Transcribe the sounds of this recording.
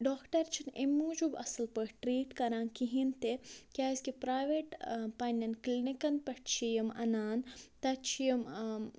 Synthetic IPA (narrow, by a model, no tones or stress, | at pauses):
ɖoːkʈɐɾt͡ʃʰinemuːd͡ʒubɐ̰sɐlpəʈɾiːʈkɐɾãːnkiɦint̪ekʲaːskipɾaːjʋeʈpɐnʲɐnklinikɐnpɐʈt͡ʃʰijɐmɐ̰naːnt̪ɐt͡ʃʰijɐm